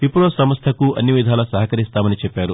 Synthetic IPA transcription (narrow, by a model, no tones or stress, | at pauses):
ipːuɾosɐmɐst̪ʰɐkuʔɐnːiʋid̪ʱaːlɐsɐɦɐkɐɾist̪aːmɐnit͡ʃɛpːaːɾu